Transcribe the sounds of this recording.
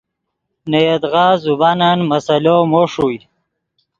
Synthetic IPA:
nejed̪ɣaːzubananmɐsɐlomoʂuj

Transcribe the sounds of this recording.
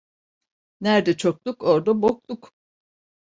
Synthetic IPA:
næɾd̪ɛt͡ʃʰok̚t̪ukoɾd̪abok̚t̪uk

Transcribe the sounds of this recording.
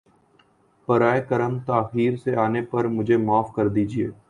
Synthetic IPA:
pəɾaːekəɾəmt̪aːxiːɾseaːnepɐɾmʊd͡ʒʱemaːfkɐɾd̪iːd͡ʒieː

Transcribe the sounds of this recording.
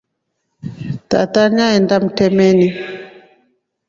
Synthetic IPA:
ta̰taɲaɛndam̩tɛmɛni

